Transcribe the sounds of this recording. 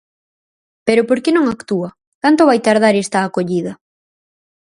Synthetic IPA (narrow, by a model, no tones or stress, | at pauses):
peɾʊpoɾkenõŋakt̪uɐ | k̪ant̪oβajt̪aɾð̞aɾest̪aːkoʎiðɐ